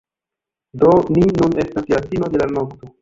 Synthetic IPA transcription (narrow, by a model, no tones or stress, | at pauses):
do̞ninune̞stasjatino̞de̞lanokto